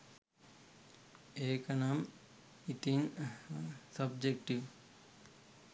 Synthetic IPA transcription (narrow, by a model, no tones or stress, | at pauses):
ekɐnam | it̪in | sɐbd͡ʒekʈiʋ